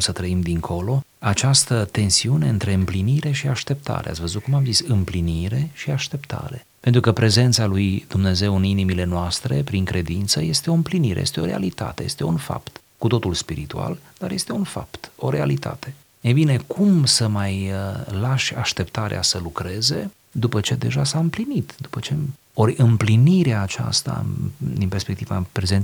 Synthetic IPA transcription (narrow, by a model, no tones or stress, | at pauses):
sət̪ɾəimd̪iŋkʰo̞lo̞ | at͡ʃast̪ət̪e̞nsiune̞ɨnt̪ɾe̞ɨmpliniɾe̞ʃiaʃt̪e̞p̚t̪ʰa̰ɾeat̪sʲvəzut̪̚kumamzisɨmpliniɾe̞ʃiaʃt̪e̞pt̪ʰa̰ɾe̞ | pe̞nt̪ɾukəpɾe̞ze̞nt̪salujd̪̥umne̞ze̞wɨninimile̞noast̪ɾe̞̰pɾiŋkɾe̞d̪int̪səje̞st̪e̞o̞ɨmpliniɾeje̞st̪eo̞ɾe̞a̰lit̪a̰t̪e̞jest̪e̞unfa̰pt̪ | kut̪o̞t̪ulspiɾit̪ua̰ld̪̥arje̞st̪e̞unfa̰pt̪o̞ɾe̞a̰lit̪ʰa̰t̪e̞ | ebine̞kʰumsəmajlaʃʲaʃt̪e̞pt̪aɾḛʔa̰səlukɾe̞ze̞̰ | d̪upət͡ʃe̞d̪e̞ʒasaɨmplinit̪d̪upət͡ʃe̞ | o̞ɾʲɨmpliniɾeaːt͡ʃa̰st̪a̰d̪inpe̞rspekt̪iva̰pɾe̞zen